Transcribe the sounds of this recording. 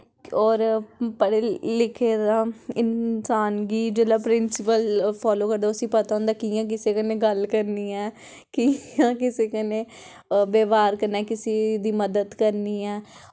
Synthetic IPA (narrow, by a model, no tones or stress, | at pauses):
ɔːɾpəɽeːlɪkʰeːd̪aːɪnsaːnɡiːd͡ʒeːlaːpɾɪnsɪpəlpʰɔːloːkəɾd̪aːəsĩːpət̪aːõːnd̪aːkiːjãːk̬ɪseːkənẽːɡəlkəɾniːɛː | kiãːkɪseːkəneː | beːʋaːɾkəɾnaːkɪsiːd̪iːməd̪əd̪kəɾniːɛː